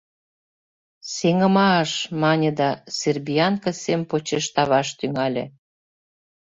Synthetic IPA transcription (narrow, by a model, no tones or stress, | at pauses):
seŋə̆mɑʃmɑnʲĕd̪ɑserbiɑnkə̆sempot͡ɕeʃt̪ɑβɑʃt̪yŋɑlʲḛ̆